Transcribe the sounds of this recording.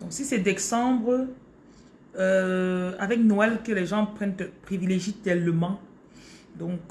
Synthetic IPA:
d̪ɔ̃ksisɛd̪ɛsɑ̃bʁə | øavɛknoɛlkəlɛʒɑ̃pχɛ̃nt̪pχivileʒit̪ɛləmɑ̃ | d̪ɔ̃k

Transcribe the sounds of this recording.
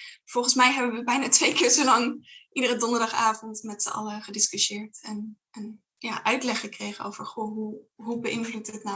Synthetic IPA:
v̥ɔlˠχənsmɛjɦɛbənʋəbɛjnaːtʋejkɪːɹsolɑŋʔidərədɔndəɹdɑχaːvɔntmɛtsəʔɑ̰ləχədɪskyʃɪːɹtɛn | ən | jaːʔœɥtlɛχəkrejχəno̰wv̥əɹχoːɦuɦubəʔɪnvlutətna

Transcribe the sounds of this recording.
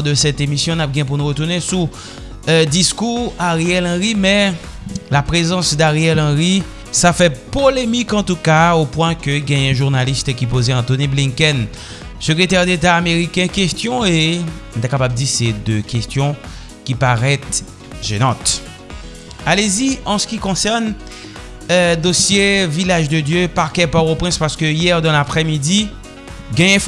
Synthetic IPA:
d̪əsɛt̪emisjɔ̃nap̚ɡɛ̃p̬uʁnuʁət̪uʁnesu | d̪iskuʁaʁɛlɑ̃ʁimɛ | lapʁezɑ̃sd̪aʁɛlɑ̃ʁi | safɛpolemikɑ̃t̪ukaopwɛ̃køiɡɛ̃jɛ̃ʒuʁnalist̪kʲip̬ozeɑ̃t̪oniblĩnkɛn | søkʁet̪ɛʁd̪et̪aːmeʁikʲɛ̃kɛst̪jɔ̃ẽt̪ɛkapabd̪ised̪økɛst̪jɔ̃ | kʲipaʁɛt̪ | ʒenɑ̃t̪ | aleziɑ̃sə̥kʲikɔ̃sɛʁn | d̪osjevilaʒd̪əd̪jøpaʁkɛpaʁopχɛ̃spaʁsə̥kəijɛʁd̪ɑ̃lapχemid̪i | ɡɛ̃jɛ̃

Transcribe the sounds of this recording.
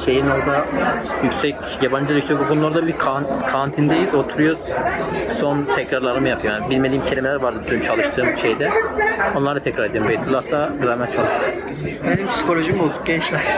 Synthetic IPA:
ʃe̞jino̞ɾd̪ajycʲsɛc | jaband͡ʒɯlajycsɛc̚bukʰoulˠaɾad̪abikʰankʰant̪ʰind̪ejizo̞t̪ʰuɾujoz̥so̞nt̪ʰɛcɾaɾlˠaɾɯmɯjapʰɯjojanbilʲme̞d̪ʲiːimcʰe̞lʲimelʲæɾvaɾd̪ɯɾd̪ynt͡ʃʰalˠɯʃt̪ʰɯːmʃe̞jd̪ɛonlˠaɾd̪at̪ʰɛcɾaɾed̪eɾmbet̪ʰɯlˠat̪ːaɡɯɾamɛt͡ʃʰalˠɯʃt̪ɯɯ | benʲimpsi̥ko̞lʲoʒimolˠd̪u̥pɟɛnt͡ʃlʲæɾ̥

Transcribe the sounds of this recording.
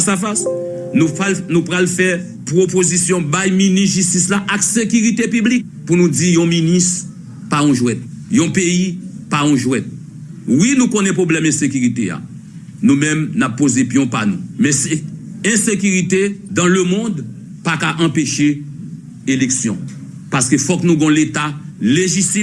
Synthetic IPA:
asafas | nũalnũpʁalfɛ | pʁopozisjɔ̃bajminisʒystislaʔaksekyʁit̪epyblik̚punũd͡zijɔ̃minist | paɔ̃ʒwɛt̪̚jɔ̃peipaɔ̃ʒwɛt̪̚ | winũkõnɛ̃pʁoblɛmɛ̃sekyʁit̪ea̰ | nũmɛ̃mnapːozepjɔ̃panṵ̃mɛ̃siɛ̃sekyʁit̪ed̪ɑ̃lømɔ̃d̪ | pakaʔɑ̃peʃe | eleksjɔ̰̃ | paskøfɔknũɡɔ̃let̪aleʒisi

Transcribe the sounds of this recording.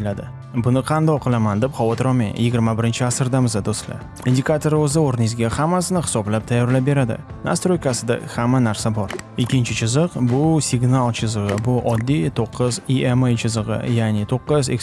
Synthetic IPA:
lad̪ɪ | bʊnɪqʰɑnd̪ɒqʰɨlˠamand̪e̞pχɒwɒt̪ʰɾɒmejjɪɡʲɪɾmabɪɾɪnt͡ʃʰɪasɪɾd̪amɪzad̪ost̪la̰ | ind̪ikʰat̪ʰo̞ɾɵzɪoɾɪnɪɪzɡʲahamːasɪnɪχɪ̥sɒblap̚t̪ʰajːɒɾlabe̞ɾad̪ɪ̰ | na̰st̪ɾojkasɪd̪a̰hamːanaɾsabɒɾɪkʲːɪnt͡ʃʰɪt͡ʃʰɪzɨqbʊsɪɡnalˠt͡ʃʰɪzɨʁɨbʊʔɒd̪ːit̪ʰoqʰːɨziemejt͡ʃʰɪzɨʁɨ̰janɪt̪ʰoqːɨze̞̰k

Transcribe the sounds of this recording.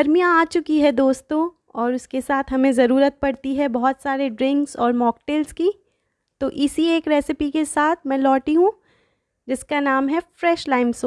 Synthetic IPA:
ɐɾmijãaːt͡ʃʊkiɦɛd̪oːst̪õ | ɔːɾʊskesaːt̪ʰɦɐmẽzɐɾuːɾət̪̚pɐɽt̪iɦɛbɔɦɔt̪saːɾeɖɾɪ̃ŋksɔːɾmɔːk̚ʈeːlski | t̪oːʔɪsieːkɾɛːsɪpikesaːt̪ʰmɛ̃ːlɔːʈiɦũ | d͡ʒɪskanaːmɦɛfɾɛːʃlaːɪmsoː

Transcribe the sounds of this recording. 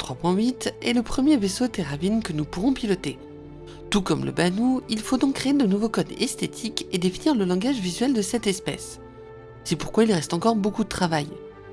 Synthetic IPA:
t̪χwapwɛ̃ɥit̪ɛ̰ləpχəmjevesot̪eʁavinkənupuʁɔ̃pilɔt̪e | t̪ukɔmlʔə̰banuilfod̪ɔ̃kkːχeed̪ənuvokɔd̪ɛst̪et̪ʰiked̪efiniʁləlɑ̃ɡaʒvizɥɛld̪əsɛt̪ɛspɛ̰sː | ɛpuʁ̥kwailʁɛst̪ɑ̃kɔʁbokud̪ət̪χavaj

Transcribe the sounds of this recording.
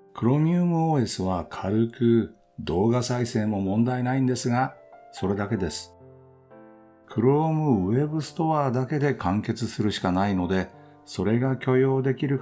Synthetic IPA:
kɯ̟ɾo̞mʲɯːmɯ̟oːe̞sɨβakʰaɾɯ̟kɯ̟ | d̪o̞ːɡasaisẽ̞ːmo̞mõ̞nd̪ainaĩnd̪e̞sɨɡa | so̞ɾe̞d̪ake̞d̪e̞sɨ̥ | kʰɯ̟ɾo̞ːmɯ̟e̞bɯ̟sɨ̥t̪o̞βaːd̪ake̞d̪e̞kãŋke̞t͡sɨsɨɾɯ̟ɕi̥kanaino̞d̪e̞ | so̞ɾe̞ɡakʲo̞jo̞ːd̪e̞kʲiɾɯ̟

